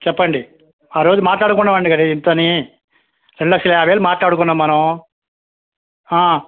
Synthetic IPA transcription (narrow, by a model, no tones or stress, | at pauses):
t͡ʃɛpːɐɳɖi | aːɾo̞ːd͡ʒumaːʈlaːɽukunːɐmɐɳɖikɐɽint̪oːni | ɾeɳɖulɐkʂɐlɐjaːʋeːlumaːʈlaːɽukunːɐmːɐnɐw̃ | aː